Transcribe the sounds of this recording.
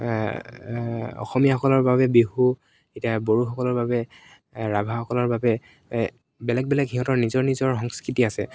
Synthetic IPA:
ɔ̰xɔmijaxɔkɔlɔɹbabɛbiɦu | etiaboɹuxɔkɔlɔɹbabɛ | ɹabʱaxɔkɔlɔɹbabɛ | bɛlɛk̚bɛlɛkxiɦɔtɔɹnizɔɹnizɔɹxɔŋskɹitiasɛ̰

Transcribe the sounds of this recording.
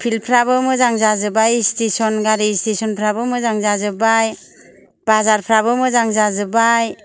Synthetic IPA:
pʰilpʰɾabɯmɯzaŋzazɯbajstesɔnɡaɾistesɔnpʰɾabɯmɯzaŋzazɯbaj | bazaɾpʰɾabɯmɯzaŋzazɯbaj

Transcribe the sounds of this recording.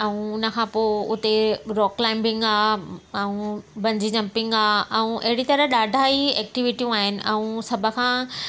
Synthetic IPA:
ɛũʊnə̆kʰãːpoːʊt̪eɾɔːklaːɪ̃mbɪ̃ŋɡaːɛũbɐ̃ɲd͡ʑid͡ʑɐ̃mpɪ̃ŋɡaːʔɛ̃ũʔɐɦɪɽit̪ɐɾəɦɗaːɖʱaːiɛːk̚ʈiʋɪʈijũaːɦɪnɪ̆ʔɛ̃ũsɐbʱə̆kʰãː

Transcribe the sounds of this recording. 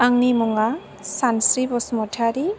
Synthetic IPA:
aŋnimɔŋa | sansɾibɔsmɔtʰaɾi

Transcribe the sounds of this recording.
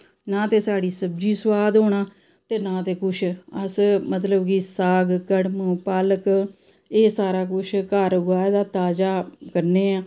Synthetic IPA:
nãːt̪eːsaːɽiːsəb̚d͡ʒiːswaːd̪ɦoːɳaː | t̪eːnãːt̪eːkʊt͡ʃʰəsmət̪ləbkisaːɡkəɽməpələk | eːsaːɾaːkʊt͡ʃʰkəɾɡaːd̪aːt̪aːd͡ʒaːkəɾneːãː

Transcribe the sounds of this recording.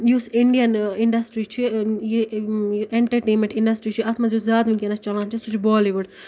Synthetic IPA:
juːsɪɳɖijɐnɪɳɖɐsʈɾit͡ʃʰije | eɳʈɐɾʈeːnmẽɳʈɪɳɖɐsʈɾit͡ʃʰiɐt̪ʰmɐzjuzʲaːd̪ʋĩkenɐt͡ʃt͡ʃɐlãnt͡ʃʰisut͡ʃʰibɔːliʋuɖ

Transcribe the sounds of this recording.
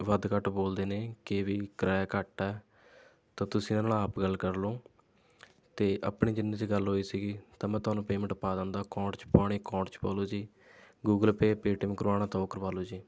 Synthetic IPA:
ʋəd̪kəʈboːld̪eːneːkeːʋiːkəɾaːkəʈːaɛː | t̪ãːt̪ʊsĩːnãnaːaːpɡəlkəɾloː | t̪eːʔəpɳiːd͡ʒɪnːĩːt͡ʃeɡəlɦoːiːsiːɡiːt̪aːmɛ̃ːt̪ʊɦaːnũːpeːmə̃ɳʈpaːd̪ãːnd̪aːkɔ̃ːʈt͡ʃpaːɽ̃iːkɔ̃ːɳʈt͡ʃpaːloːd͡ʒiː | ɡuːɡəlpeːpeːʈɪmkʊɾaːñãːt̪ɔːkəɾʋaːloːd͡ʒiː

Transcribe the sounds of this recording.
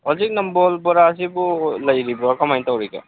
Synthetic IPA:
ɔzik̚nɔmbɔlbɔɾaːsibulajɾibakɔmajntawɾijka̰

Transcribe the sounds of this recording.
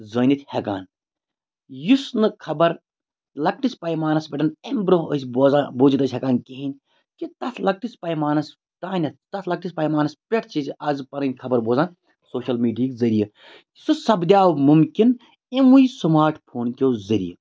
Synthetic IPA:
zɐːnʲit̪ʰʲhɐkaːn | jusnɨkʰɐbɐɾ | lɐk̚ʈispɐjmaːnɐsbʲɐʈɐnembɾoəsʲboːzaːnboːd͡ʒit̪ɐsʲɦʲɐkaːnkeɦinʲ | kit̪ɐt̪ʰlɐk̚ʈispɐjmaːnɐs | t̪aːnʲɐtt̪ɐt̪ʰlɐk̚ʈispɐjmaːnɐspʲeʈʰt͡ʃit͡ʃʲɐzpɐnɐnʲkʰɐbɐɾboːzaːn | soːʃɐlmiːɖijɐkzɐɾijɐ | sɨsɐbd̪ʲaːwmumkʲin | imuisɐmaːɾʈʰpʰoːnkʲoːzɐɾḭjɐ

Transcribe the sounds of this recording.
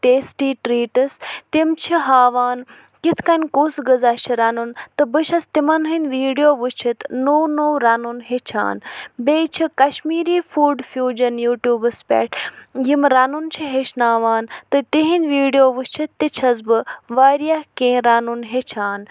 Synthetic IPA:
ʈeːsʈiːʈɾiːʈɨst̪imt͡ʃʰiɦaːʋaːn | kit̪ʰkɐnʲkusɡəzat͡ʃʰiɾanunt̪ɨbɨʃɐst̪imɐnɦinʲʋiːɖijoːʋut͡ʃʰit̪noːwnowɾanunɦet͡ʃʰa̰ːnbʲeːt͡ʃʰikɐʃmiːɾiːfuːɖfjuːd͡ʒɐnjuːʈjuːbɨspʲɛ̰ːʈjimɾanunt͡ʃʰiɦeʃnaːʋaːnt̪ɨt̪iɦinʲʋiːɖijoːʋɨt͡ʃʰit̪t̪ːit͡ʃʰɐzbɨʋaːɾijakẽːɾaːnunɦet͡ʃʰaːn

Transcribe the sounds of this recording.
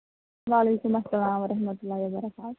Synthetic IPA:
ʋaːleːkumɐsɐlaːmɐɾɐɦmɐt̪ulːaɦiwɐbɐɾɐkaːt̪

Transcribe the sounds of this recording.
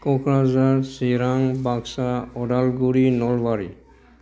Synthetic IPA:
kɔkɹazaɹsiɾaŋbaɡsaɔdalɡuɹinɔlbaɹi

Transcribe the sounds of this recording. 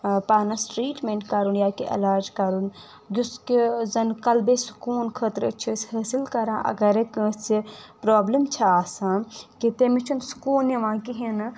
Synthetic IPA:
paːnɐsʈɾiːʈmẽɳʈkɐɾunjaːkiʔɐ̰laːɾd͡ʒkɐɾun | d͡ʒuskizɐnkɐlbesu̥kuːnkʰət̪ɾət͡ʃʰishəːsilkɐɾãːʔɐ̰ɡɐɾeksipɾaːblimt͡ʃʰɐaːsãːkit̪emit͡ʃʰunsu̥kuːnjɐʋãːkiɦin

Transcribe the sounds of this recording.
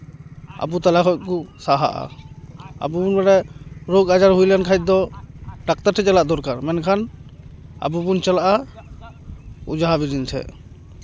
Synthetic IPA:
a̰but̪alakʰɔt̚ˀkusaɦa̰ʔa̰ | a̰bubunbaɽɛɾoɡad͡ʒaɾɦujlankʰajt̚d̪ɔɖak̚t̪aɾʈʰɛt͡ʃalaʔd̪ɔɾkaɾmɛnkʰan | a̰bubunt͡ʃalaʔa | ud͡ʒaɦabidint͡ʃʰɛ̰

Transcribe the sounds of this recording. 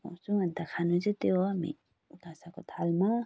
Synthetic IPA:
ɔsuŋant̪akʰanud͡ʒet̪ewmḭ | ɡasakɔt̪ʰalma

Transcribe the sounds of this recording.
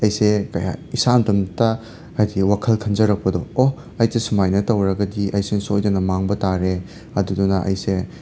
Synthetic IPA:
ɐjsekɐja̰isamtɐmtɐː | jdiwakʰɐlkʰɐnd͡ʒɐɾɐk̚pɐdɔo | ɐjtesumajnɐtɐwɾɐɡɐdiʔɐjsesojdɐnɐmaŋbɐtaɾe | ɐdudunɐʔɐ̰jse

